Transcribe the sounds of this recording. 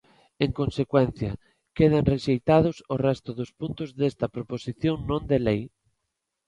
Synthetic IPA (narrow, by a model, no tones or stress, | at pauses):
eŋkonsekwɛnθjɐ | keð̞anreʃejt̪að̞ʊsorɛst̪ʊðospunt̪ʊzðest̪ɐpɾoposiθjoŋnõnd̪elej